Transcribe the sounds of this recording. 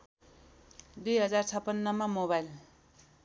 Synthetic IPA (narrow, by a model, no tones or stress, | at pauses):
d̪ujɦʌd͡zart͡sʰʌpːʌnːʌmamoβajl